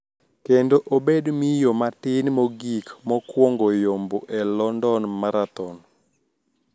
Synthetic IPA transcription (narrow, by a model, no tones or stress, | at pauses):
kendoʔobedmijomatɪnmoɡikmɔkwɔŋɡojomboʔɛlɔndɔnmaɾat̪ɔn